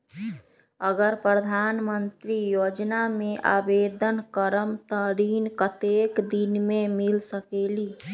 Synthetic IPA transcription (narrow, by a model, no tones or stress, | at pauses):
əɡəɾpɾəd̪ʱaːnmənt̪ɾijoːd͡ʒnamẽʔa̰ːbeːd̪ʱənkəɾəmt̪əɾiːnkət̪eːkd̪inmẽmɪlsəkeːliː